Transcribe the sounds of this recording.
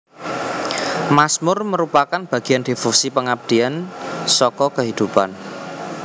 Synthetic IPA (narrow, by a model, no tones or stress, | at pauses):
masmʊrməɾupakanb̥ä̤ɡ̥i̤and̪ifusipəŋab̚d̪̥i̤ansɔkɔkəɦid̪̥upan